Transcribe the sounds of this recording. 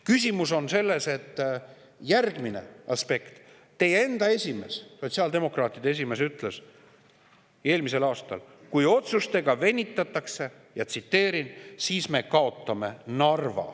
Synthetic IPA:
kysʲimuso̞nse̞lːe̞se̞t̪ː | jærɡmine̞̰ɑspe̞kt̪ː | e̞je̞nd̪̥ɑe̞sʲime̞sso̞t̪ʲsiɑːld̪e̞mo̞krɑːt̪ːˑid̪̥ees̬ʲime̞syt̪ːˑle̞s | e̞ːlmise̞lɑːst̪ɑ̰lkujo̞t̪sust̪e̞ɡ̥ɑve̞nʲːit̪ːˑɑt̪ːˑɑkse̞ | jɑt̪sit̪ːe̞ːɾinsiːsme̞kɑo̞t̪ˑːɑme̞nɑrvɑ̰

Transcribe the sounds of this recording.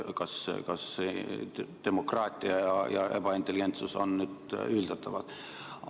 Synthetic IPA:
kɑskɑs | d̪̥e̞mo̞krɑːt̪ʲːˑiɑjɑjɑ̰eb̥ɑint̪ːˑeliɡent̪suso̞̰nːyːd̪yld̪ɑt̪ːˑɑvɑd̪̥

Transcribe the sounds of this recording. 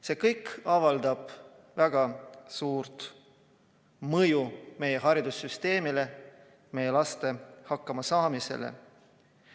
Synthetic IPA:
se̞ːkɤjkːɑvɑld̪ɑb̥ | væɡ̥ɑsuːɾt̪ | mɤjume̞je̞ɦɑɾid̪̥usːyst̪e̞ːmile̞ | me̞jelɑst̪e̞hɑkːɑmɑsɑːmise̞̰lḛ

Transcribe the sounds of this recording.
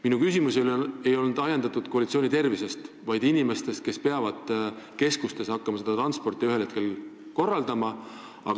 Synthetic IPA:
minukysimusele̞jo̞lnud̪̥ɑjend̪̥ɑt̪ːˑud̪̥̚ko̞ɑlit̪sio̞ːnit̪e̞rvise̞st̪ | vɑjd̪̥inime̞st̪e̞st̪̚ke̞spe̞ɑvɑd̪̥ | ke̞skust̪e̞sɑkːɑmɑse̞d̪ɑt̪rɑnspo̞rt̪ːˑiyhelhe̞t̪̚ke̞lko̞rːɑld̪ɑmɑ | ɑ̰

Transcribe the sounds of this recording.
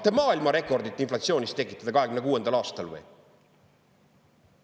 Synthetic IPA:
t̪ːemɑːilmɑɾe̞kˑo̞rd̪it̪ːˑinflɑt̪sio̞ːnʲist̪e̞kːˑit̪ːˑɑd̪̥ɑkɑɦekymnekuːe̞nd̪̥ɑlɑːst̪ɑlvɤ̰j

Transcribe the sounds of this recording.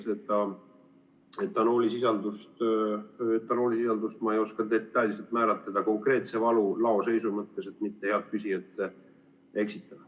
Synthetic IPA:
set̪ːˑɑ | et̪ːɑno̞ːlʲisisɑnd̪ust̪ | et̪ːɑno̞ːlʲisisɑnd̪ust̪mɑejo̞skɑt̪e̞t̪ːɑjlʲiselt̪mæːɾɑt̪ːˑed̪̥ɑko̞ŋkre̞ːt̪se̞vɑlulɑo̞se̞jsumɤt̪ːe̞se̞t̪mit̪ːeheɑd̪̥̚kysʲiet̪ːe | e̞ksit̪ːˑɑd̪̥ɑ

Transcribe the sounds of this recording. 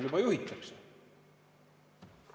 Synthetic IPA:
ljubɑjuhit̪ːˑɑkse

